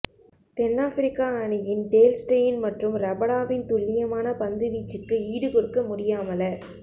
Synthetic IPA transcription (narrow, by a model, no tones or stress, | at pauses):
t̪ɛnːaːfɪɾɪkːaːɳɪjɪnɖeːlsʈɐjɪnmɐʈrɯmɾɐbɐɽaːʋɪnt̪ʊɭːɪjɐmaːnɐpɐnd̪ɯʋiːt͡ʃːɯkːɯiːɽɯpɔɾɯkːɐmʊɽɪjaːmɐlɐ